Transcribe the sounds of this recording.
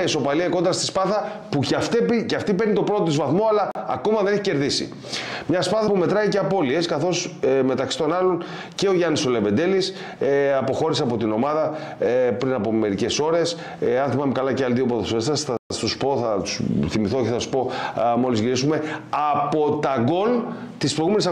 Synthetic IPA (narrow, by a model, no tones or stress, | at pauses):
eso̞pɐliɐiko̞nd̪ɾɐst̪i̥spɐθɐ | pucft̪epiceɐft̪ipe̞ɾnit̪o̞pɾo̞t̪ot̪izvɐθmo̞ɐlɐːko̞mɐðe̞ne̞çice̞ɾðisḭ | mɲɐspɐθɐpume̞t̪ɾɐiceɐpo̞lie̞skɐθo̞sme̞t̪ɐksi̥t̪o̞nɐlo̞n | ce̞o̞ʝɐniso̞leve̞nd̪e̞lis | ɐpo̞xo̞ɾiseɐpo̞t̪ino̞mɐðɐpɾinɐpo̞me̞ɾice̞so̞ɾe̞s | ɐnθimɐmekɐlɐceɐliðiopɾoðosfesɐsθɐst̪uspo̞θɐt̪u̥sθimiθo̞ceθɐsu̥po̞mo̞lizʝiɾisume̞ɐpo̞t̪ɐɡo̞l | t̪ispɾojɣume̞nisɐ